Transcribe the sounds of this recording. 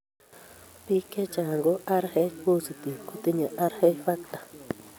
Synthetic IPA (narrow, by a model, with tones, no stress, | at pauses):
pi˦ke˦t͡ʃa˨a˨ŋɡo˦ʔa˦ɾhe˦ku˦si˨t̪i˨ku˦t̪i˦ɲã˨ʔa˦ɾhe˦fa˦kt̪ḁ˨